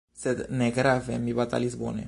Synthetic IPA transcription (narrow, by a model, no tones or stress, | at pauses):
sed̪neɡɾavemibat̪a̰lizbo̰nḛ